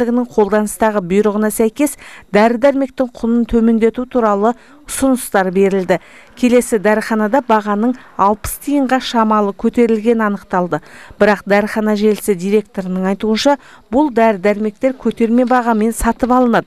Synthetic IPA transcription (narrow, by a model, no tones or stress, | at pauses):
lɪɡʲɪnɪŋqʰo̞lˠd̪ɑnəst̪ɑʁəbʊjɾəʁənɑsæjkʲe̞sd̪æɾɪd̪æɾme̞k̚t̪ɪŋqʰʊnənt̪ʰɵme̞nd̪e̞t̪ut̪ʰuɾɑlˠə | ʊsʊnʊst̪ɑɾbe̞ɾɪld̪ɪ | kʲʰe̞le̞sɪd̪æɾəχɑnɑd̪ɑbɑʁɑnəɴɑlˠpə̥st̪ʰijəɴʁɑʃɑmɑlˠəkʲʰɵt̪e̞ɾɪlɡʲe̞nɪɑnəqt̪ɑlˠd̪əb̥ɪɾɑq̚d̪æɾəχɑnɑʒe̞lɪsɪd̪ijɾe̞k̚t̪o̞ɾənəɴɑjt̪uənʃɑ | bʊlˠd̪æɾɪd̪æɾme̞k̚t̪e̞ɾkʲʰɵt̪e̞ɾme̞bɑʁɑme̞nsɑt̪əpɑlˠənɑd̪ə